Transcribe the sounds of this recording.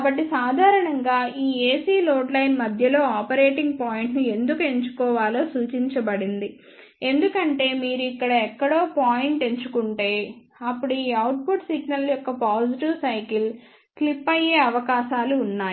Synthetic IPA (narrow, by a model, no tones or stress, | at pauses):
kːbɐʈːisaːd̪ʱaːɾɐɳɐŋɡaːiːeːsiːlo̞ːʈlɐjnmɐd̪ʱjɐlo̞ːaːpɐɾe̞ːʈiŋɡ̚paːjiɳʈnie̞nd̪ukue̞ɲt͡ʃu̥kɔːʋaːloːsuːt͡ʃiɲt͡ʃɐbɐɽind̪i | e̞nd̪ukɐɳʈe̞ːmiːɾuikːɐɽɐɛkːɐɽo̞ːpaːjiɳʈe̞ɲt͡ʃukuɳʈe̞ː | ɐpːuɽuiːɐwʈ̚puʈsiɡnɐljɔkːɐpaːd͡ʒiʈiʋsɐjkil | klipːɐjːe̞ːɐʋɐkaːʃaːluːnːaː